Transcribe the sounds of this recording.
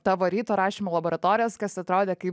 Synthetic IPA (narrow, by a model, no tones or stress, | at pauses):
t̪ɑːʋoɾʲiːt̪oːɾɑːʃʲiːmoːlˠɐboːɾɐt̪oːɾʲɪjoːskɐsɐt̪ɾoːd̪ʲeːkɐɪp